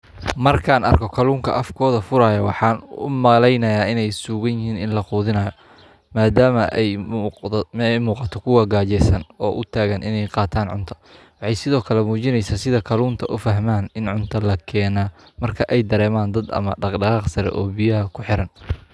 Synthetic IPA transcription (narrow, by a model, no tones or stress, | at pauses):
mɐrkʰaːnɐ̰rkʰɔkʰɐluːŋkʰɐʔɐfkʰɔːðɐfʊɾaːjɐwɑħɑːnʊ̰mɐlɛjnɐjaːɪnɛjsuːɣɐnjɪɦiːnɪnlɐquːðɪnɐːjɔ | maːd̪aːmɐʔɛj | ɛjmuːqɑt̪ʰɔkʰʊwɐɡaːt͡ʃɛsɐnɔːʔʊt̪ʰaːɣɐnʔɪ̰nɛjqɑːt̪ʰaːnʕʊ̰nt̪ʰɐ̥ | wɑħɑjsɪðɔːkʰɐlɛmuːt͡ʃɪnɛjsaːsɪðɐkʰɐluːnt̪ʰɐʔʊfɐɦmaːnɪnʕʊnt̪ʰɐlɐkʰɛːnaː | mɐrkʰɐʔɛjd̪ɐɾɛːmaːnd̪ɐd̪ɐ̰mɐ̰ɖɑqɖɑʁɑːqsɐɾɛ̰ʔɔːbɪjɐɦɐkʰʊħɪɾɐn